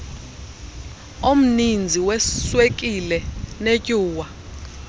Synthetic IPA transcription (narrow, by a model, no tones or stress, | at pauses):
om̩nind͡zʱiwɛswekʼilɛnecʼuːwa